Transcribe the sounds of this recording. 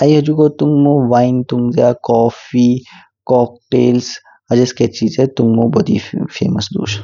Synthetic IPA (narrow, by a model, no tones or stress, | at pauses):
aiɦɐd͡ʒukot̪uŋɡõʋaːint̪uŋɡzaːkɔːfiː | kɔːk̚ʈeːls | ɐd͡ʒesket͡ʃiːzɛt̪uŋɡõːbɐd̪ʱḭːfʰḛːməsd̪ṵːʃ